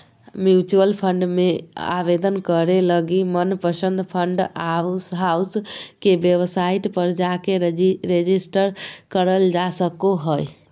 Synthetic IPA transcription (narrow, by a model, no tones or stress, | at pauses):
mjut͡ʃuəlpʰəɳɖmea̰bed̪ənkəɾeləɡimənpəsənd̪ʱpʰəɳɖasɦauskebeʋsaiʈpəɾd͡ʒakeɾed͡ʒisʈəɾkəɾəld͡ʒasəkoɦəj